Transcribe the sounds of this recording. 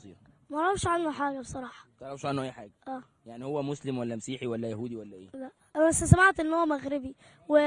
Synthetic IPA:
sˤḭːɾmæʔɑɾˤɑbʃʕanːoħaːɡæbe̥sˤɑɾˤɑːħɑ̥t̪ʔɾˤɑbʃʕanːoʔæjːħaːɡæʔæː | jaʕnihowːæmoslɪmwælːæmæsiːħiwælːæjæhuːd̪iwælːæʔḛːlæʔʔænsæsæmaʕt̪ʔenːhowæmæɣɾɪbi | we

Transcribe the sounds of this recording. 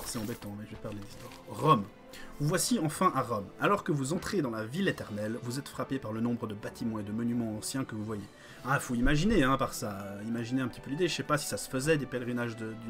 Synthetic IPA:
sɛɑ̃bɛt̪ɑ̃mɛʒəvɛpɛʁled̪list̪waʁʁɔm | vuvwasiɑ̃fɛ̃ʔaʁɔmalɔʁkəvuzɑ̃t̪χed̪ɑ̃lavilet̪ɛʁnɛlvuzɛt̪fχapepaʁlənɔ̃bʁəd̪əbat̪imɑ̃ed̪əmɔnymɑ̃ɑ̃sjɛ̃kəvuvwaje | aifoimaʒineɛ̃paʁsaimaʒineɛ̃pət̪i̥pølid̪eʃɛpasi̥sasə̥fəzɛd̪epɛlʁinaʒd̪əd̪y

